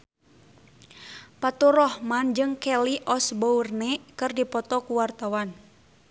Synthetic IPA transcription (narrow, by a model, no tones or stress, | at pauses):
pat̪uɾɔhmand͡ʒɨŋkɛliʔɔsbournɛkɨrdipɔt̪ɔkuwart̪awan